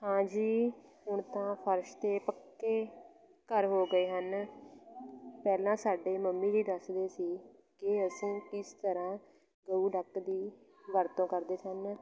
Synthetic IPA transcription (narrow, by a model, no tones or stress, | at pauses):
ɦãːd͡ʒiːhʊɳt̪ãːpʰəɾʃt̪eːpəkːeː | kəɾɦoːɡəeːɦən | pɛːlãːsaːɖeːməmːiːd͡ʒiːd̪əsd̪eːsiː | kɪəsĩːkɪst̪əɾãː | ɡəuːɖəkd̪iː | ɡəɾt̪õːkəɾd̪eːsən